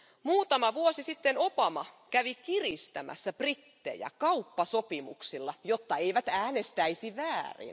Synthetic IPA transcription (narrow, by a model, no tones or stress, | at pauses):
muːt̪ɑmɑʋuosisit̪ːenobɑmɑkæʋikirist̪æmæ̰sːæb̥rit̪ːḛjæ̰kɑupːɑsopimṵksilːɑjot̪ːɑeiʋæt̪æːnest̪æisiʋæːrḭn